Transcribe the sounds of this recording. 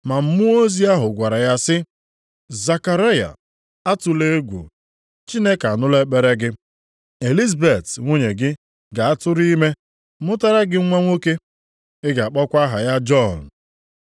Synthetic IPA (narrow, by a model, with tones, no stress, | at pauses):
ma˨m̩˦mʊ˦o˦zi˦a˦ɦʊ˨ɡʷa˨ɾa˨ja˦sɪ˦ | za˨ka˨ɾa˦ja̰˨ | a˦tʊ˨le˦e˦ɡʷṵ˨ | t͡ʃi˦ne˦ka˨a˨nʊ˦le˦k͡pe˦ɾe˦ɡɪ˦ | e˨li˦za˨be˨tŋʷo˦ɲe˨ɡɪ˦ | ɡa˨a˦tʊ˦ɾi˦me˦ | mʊ˦ta˦ɾa˦ɡɪ˦ŋ̩˦ŋʷa˦ŋʷo˦ke˦ | ɪ˦ɡa˨a˨k͡pɔ˦kʷa˦ɦa˨ja˦d͡ʒɔ˦˨n˨